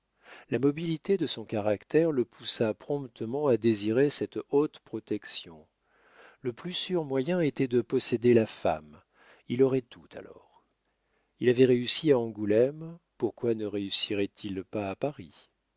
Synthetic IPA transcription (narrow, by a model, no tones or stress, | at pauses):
lamɔbilit̪ed̪əsɔ̃kaʁakt̪ɛʁləpʰusapχɔ̃pt̪əmɑ̃ad̪eziʁesɛt̪ot̪pχɔt̪ɛksjɔ̰̃ | ləplysyʁmwajɛ̃et̪ɛd̪əpɔsed̪elafa̰m | ilɔʁɛt̪ʰu̥t̪ʰa̰lɔ̰ʁ | ilavɛʁeysiaɑ̃ɡulɛmpuʁkwanəʁeysiʁɛt̪ʰilpaːpaʁi